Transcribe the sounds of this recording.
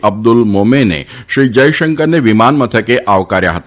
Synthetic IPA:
ʔəb̚d̪ʊlmomenḛʃɾid͡ʒəjʃəŋkəɾneʋimanmət̪ʰəkeʔaʋkaɾja̰ɦət̪a

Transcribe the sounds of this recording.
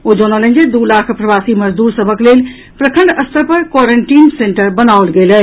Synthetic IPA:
od͡ʒonələ̃nd͡ʒed̪ulakʰpɾəbasiməd͡ʒd̪uɾsəbʱəklel | pɾəkʰə̃ɳɖəst̪ʰəɾpəɾkwɔɾeɳʈinseɳʈəɾbənaolɡelɛ

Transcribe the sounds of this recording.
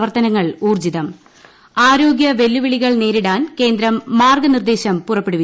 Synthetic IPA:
ʋɐrt̪ɐnɐŋːɐɭuːrd͡ʑiðɐm | aːɾo̞ːɡjɐʋe̞lːuʋiɭiɣɐɭne̞ːɾiɽaːnke̞ːnd̪ɾɐmːaːrɡɐnird̪e̞ːɕɐmpurɐpːeɽuʋi

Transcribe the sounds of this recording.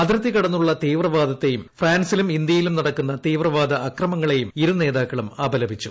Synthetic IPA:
ɐd̪ɾɐt̪ːikɐɽɐnːuɭːɐt̪iːʋrɐʋaːd̪ɐt̪ːe̞jumfraːnsilumind̪jɐjilumnɐɽɐkːunːɐt̪iːʋrɐʋaːd̪ɐʔːkrɐmɐŋːɐɭe̞jumiɾune̞ːðaːkːɐɭumɐːbɐlɐbʱit͡ɕːu

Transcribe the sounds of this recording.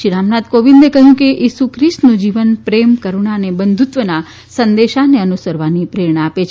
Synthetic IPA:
ʃiɾamnat̪koʋĩnd̪ekəɦjũkeʔisukʰɾisʈnũd͡ʒiʋənpɾemkəɾuɳ̃anebənd̪ʱut̪ʋəna | sənd̪eʃaneənusəɾʋanipɾeɾɳəapet͡ʃʰ

